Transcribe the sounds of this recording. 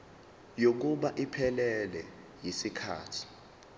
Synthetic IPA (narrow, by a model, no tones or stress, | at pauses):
jok̬uɓaʔipʰɛlɛlɛ | jisikʰa̰ːtʰi̥